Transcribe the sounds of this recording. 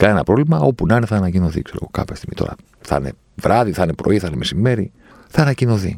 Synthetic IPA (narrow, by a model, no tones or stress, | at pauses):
kɐne̞nɐpɾo̞vlimɐo̞punɐneθɐːnɐcino̞θḭkse̞ɾoɣokɐ̰pçɐst̪i̥mit̪o̞̰ɾɐ̰ | θɐ̰ne̞̰ | vɾʔɐðiθɐne̞pɾo̞iθɐnemesime̞ɾi | θɐːnɐcino̞θḭ